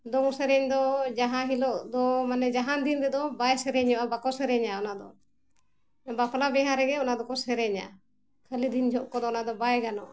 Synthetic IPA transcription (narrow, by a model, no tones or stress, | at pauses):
d̪ɔŋsɛɾɛɲd̪ɔd͡ʒaɦãɦilɔʔd̪ɔmanɛd͡ʒaɦand̪inɾɛd̪ɔbajsɛɾɛɲɔʔabakɔsɛɾɛɲaɔnad̪ɔ̰ | bapʰlabɛɦaɾɛɡɛɔnad̪ɔkɔsɛɾɛɲa̰ | kʰəlid̪ind͡ʒʱɔʔkɔd̪ɔɔnad̪ɔbajɡanɔʔa